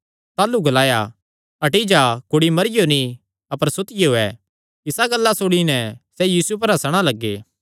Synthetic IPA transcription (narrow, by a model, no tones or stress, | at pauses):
t̪aːluɡɐlaːja | ɐʈid͡ʒakʊɽimɐɾɪjonĩ | ɐpəɾsʊt̪ɪjeɦoɛ | ɪsaɡɐlːasoːɽinɛsɛjiːsup̬ɐɾɦɐsɽ̃alɐɡːḛː